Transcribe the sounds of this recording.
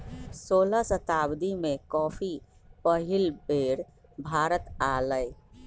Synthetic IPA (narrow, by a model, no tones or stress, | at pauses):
soːlasət̪aːbd̪imẽkɔːpʰi | pəɦɪlbeːɾ | bʱaːɾət̪aləj